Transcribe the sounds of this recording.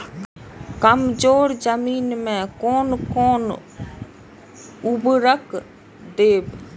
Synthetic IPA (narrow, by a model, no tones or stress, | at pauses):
kəmd͡ʒoːɾd͡ʒəmiːnmɛ̃koːnkoːn | ʊbɾəkʰ | d̪eːb